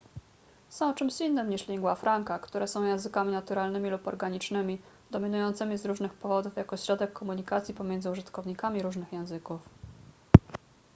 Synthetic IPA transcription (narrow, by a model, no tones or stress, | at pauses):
sɔ̃w̃t͡ʂɘmɕinːɘmɲiʂlʲiŋɡwafɾaŋkakt̪uɾɛsɔ̃w̃jɛ̃w̃zɘkamʲinat̪uɾalnɘmʲilupɔ̰ɾɡaɲit͡ʂnɘmʲi | d̪ɔmʲinujɔnt̪sɘmʲizɾuʐnɘxpɔvɔd̪ufjakɔɕɾɔd̪ɛkʰːɔmuɲikat̪sʲjipɔmʲjɛnzɘuʐɘt̪kɔvɲikamʲiɾuʐnɘxjɛ̃w̃zɘkuf